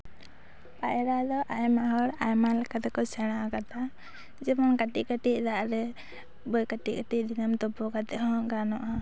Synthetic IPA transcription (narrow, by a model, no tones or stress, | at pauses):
pajɾad̪ɔʔajmaɦɔɾajmalɛkat̪ɛkɔsɛɽ̃akat̪ʰa | d͡ʒɛmɔnkaʈiʔkaʈiʔ̚d̪aʔɾɛ | bɔjkaʈikaʈid̪inamt̪ɔbɔkat̪ɛʔhɔ̃ɡanɔʔa